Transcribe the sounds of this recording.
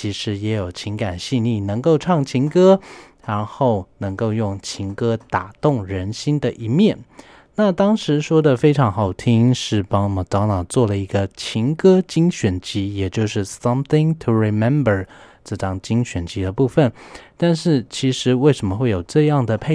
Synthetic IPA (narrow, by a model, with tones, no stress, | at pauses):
i˧˥ʂɻ̩˧˥jɛ˧˥jo˨˩ʊt͡ɕʰi˧˥ŋka˨˩nɕi˥˧ni˥˩nɤ˧˥ŋko˥˧ʊʈ͡ʂʰɑ˥˩ŋt͡ɕʰi˧˥ŋkɤ˥ɻa˧˥nxo˥˩ʊnɤ˧˥ŋko˥˧ʊjʊ˥˩ŋt͡ɕʰi˧˥ŋkɤ˥t̪a˨˩t̪ʊ˥˩ŋɻə˧˥nɕi˥nd̪ə˨ʔi˧˥mjɛ˥˩n | na˥˨t̪ɑ˥ŋʂɻ̩˧˥ʂwɔ˥d̪ə˨fe˥ɪʈ͡ʂʰɑ˧˥ŋxɑ˨˩ʊt̪ʰi˥ŋʂɻ̩˥˩pɑ˥ŋ˨mə˨˩t͡sɑ˧˥ʊnɑ˨˩ʊt͡swɔ˥˩lə˩i˧˥ɡə˧t͡ɕʰi˧˥ŋkɤ˥t͡ɕi˥ŋɕɥɛ˨˩nt͡ɕi˧˥jɛ˨˩t͡ɕjo˥˧ʊʂɻ̩˥˩sɐ˦mθɪ̃˧ŋtʰu˨ɹi˨mɛ˦˥mbə˞˨˩ʈ͡ʂɤ˥˩ʈ͡ʂɑ˥ŋt͡ɕi˥ŋɕɥɛ˨˩nt͡ɕi˧˥d̪ə˧pu˥˩fə˨˩nt̪a˥˧nʂɻ̩˥˩t͡ɕʰi˧˥ʂɻ̩˧˥we˥˩ʂə˧˥nmə˧xwe˥˩ɪjo˨˩ʊʈ͡ʂɤ˥˧jɑ˥˩ŋd̪ə˩pʰe˥˧